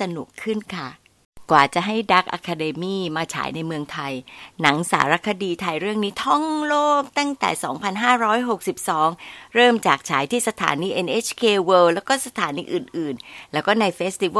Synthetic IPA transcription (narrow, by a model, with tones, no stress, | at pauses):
sa˧nṵ˨˩kʰːɯ˥˩nkʰa˥˩ | kwaː˨˩t͡ɕa˨˩ɦa˥˩jda˦˥k̚ʔa̰ː˧kʰːaː˧deː˧miː˥˩maː˧t͡ɕʰa̰ː˩˦jna˧jmɯ˧əŋt̪ʰa˧jna˩˦ŋsa̰ː˩˦ɾa˦˥kʰa˧diː˧t̪ʰa˧jɾɯ˥˩əŋniː˦˥t̪ʰɔ˥˩ŋloː˥˩k̚t̪a˥˩ŋt̪ɛ̰ː˨˩sɔ̰ː˩˦ŋpʰa˧nɦaː˥˩ɾɔː˦˥jɦo˨˩k̚si˨˩p̚sɔː˩˦ŋɾɤː˥˩mt͡ɕaː˨˩k̚t͡ɕʰa̰ː˩˦jt̪ʰiː˥˩sa˧t̪ʰa̰ː˩˦niː˧˥ʔe˧nʔeː˦˥t͡ɕʰkʰeː˧weː˧˥wlɛː˦˥wkɔː˥˩sa˧t̪ʰaː˨˩˦niː˧ʔɯː˨˩nʔɯː˨˩nlɛː˦˥wkɔː˥˩na˧jfeː˦˥st̪i˧w